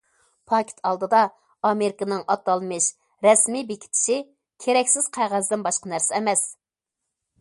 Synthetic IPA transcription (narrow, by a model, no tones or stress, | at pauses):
pʰɑkʲʰɪ̥t̪ʰɑlˠd̪ɨd̪ɑ | ɑmeɾɪkɨnɪŋɑt̪ːɑlˠmɨʃ | ɾɛsmibekʲʰi̥t̪ʰɪ̥ʃi | kʲʰeɾɛkʲsɪz̥qʰæʁæzd̪ɪnbɑʃqɑnæɾsɪɛmɛs